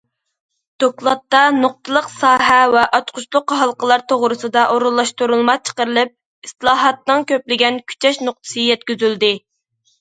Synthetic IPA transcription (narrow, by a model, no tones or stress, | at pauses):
d̪̥oklˠɑt̪ːɑnoq̚t̪ɨlˠəqsɑːɦɛwɛʔɑt͡ʃqʰʊt͡ʃlˠʊqːɦɑlˠqəlˠɑɾt̪ʰoʁɾɨsɨd̪ɑʔoɾulˠːɑʃt̪uɾulˠmɑt͡ʃʰə̥qəɾɨlˠɨp̚ | isɨlˠɑːɦɑt̪̚nɨŋkʲʰøplɪɡʲɛnkʲʰy̥t͡ʃʰɛʃnoq̚t̪ʰɨ̥sɨjɛt̪kʲyzyld̪ɪ